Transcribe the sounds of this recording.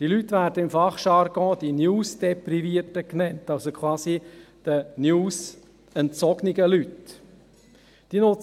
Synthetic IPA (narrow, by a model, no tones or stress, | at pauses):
d̥ilytːvæːɾdəɪmfɑχʃɑɾɡɔ̃ːd̥̪injuːsd̥̪ɛpriviətəknɛntɑlsokʰʋɑːsid̪̥ənjuːs | ɛnt͡sɔɡniɡəlyt | d̥inʊt͡s